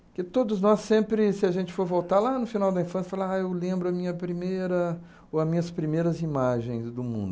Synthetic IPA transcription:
kɪt̪od̪ʊznɔsẽmpɾɪsɪɐʒẽnt͡ʃɪ̥foɾvowt̪alanʊfinawd̪ɐĩfɐ̃sjɐfalaaewlẽmbɾʊɐmĩɲɐpɾimejɾɐ | oɐmĩɲɐspɾimejɾɐzimaʒẽj̃zd̪ʊmṵ̃d̪ʊ

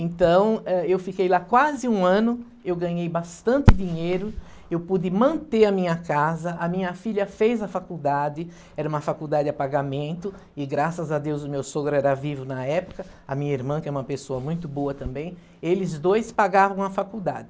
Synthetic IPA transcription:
ẽnt̪ɐ̃w̃ɛewfikejlakwazɪũɐ̃nʊ | ewɡɐ̃ɲejbast̪ɐ̃nt̪ɪd̪iɲejɾʊ | ewpud͡ʒɪmɐ̃nt̪eɾɐmĩɲɐkazɐʔɐmĩɲɐfiʎʲjɐfejzɐfakuwd̪ad̪ɪ | ɛɾɐũmɐfakuwd̪adɪdɪapaɡamẽnt̪ʊ | ɪɡɾasɐzɐd̪ewzʊmewsoɡɾʊɛɾɐvivʊnɐɛpʊ̥kɐ | ɐmĩɲɐiɾmɐ̃kɛɾũmɐpesoɐmũj̃t̪ʊboɐt̪ɐ̃mbẽj̃ | elɪzd̪ojspaɡavɐ̃w̃ɐfakuwd̪a̰d͡ʒ̪ɪ

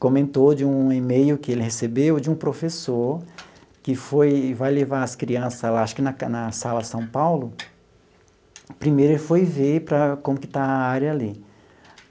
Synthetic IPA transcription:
kõmẽnt̪od͡ʒɪũemejʊkɪelɪhesebewd͡ʒɪũpɾofesoɾ | kɪfojvajlevaɾɐskɾiɐ̃sɐlaaʃʊ̥kɪnɐnɐsalɐsɐ̃w̃pawlʊ | pɾimejɾʊelɪfojvepɾɐkõmʊkɪ̥t̪aɐaɾɐali

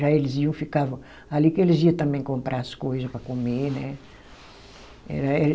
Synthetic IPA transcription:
ʒaelɪziɐ̃w̃fikavɐ̃w̃ | alikɪelɪziɐt̪ɐ̃mbẽj̃kõmpɾʔaɐskojzɐspɾɐkomenɛ | ɛ̰ɾɐɛ

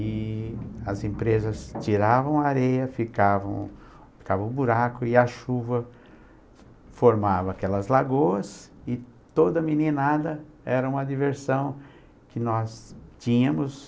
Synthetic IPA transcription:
ɪ | ɐzẽpɾezɐst͡ʃiɾavɐ̃w̃aaɾejɐfikavɐ̰̃w̃ | fi̥kavɐ̃ʊbuɾakʊɪɐʃuvɐ | foɾmavɐːkɛlɐzlaɡoɐsɪ | t̪od̪ɐminĩnad̪ɐ | ɛɾɐũmɐd̪iveɾsɐ̃w̃ | kɪnɔst͡ʃĩɲɐ̃mʊs

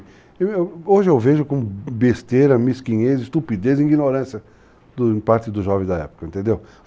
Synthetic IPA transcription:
eewoʒɪewveʒʊkõbest̪eɾɐmiskiɲezɪst̪upid̪ezĩɡĩnoɾɐ̃sjɐ | d̪ʊ̃paɾt̪ɪd̪ʊʒɔvẽzd̪ɐɛpʊ̥kɐẽnt̪ẽnd̪ew

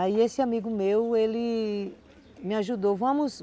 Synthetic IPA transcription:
aiesɪamiɡʊmewelɪ | mɪaʒud̪ovɐ̃mʊs

